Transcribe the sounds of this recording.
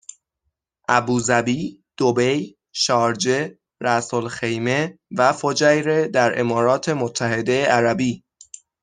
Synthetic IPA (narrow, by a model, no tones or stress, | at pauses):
ʔæbuːzæbiːd̪̥obe̞j | ʃɒːɾd͡ʒe̞ | ɾæsolxe̞jme̞væfod͡ʒæjɾe̞d̪æɾʔe̞̰mɒːɾɒːt̪ʰe̞mot̪ʰːæhe̞d̪e̞jeʔæɾæbiː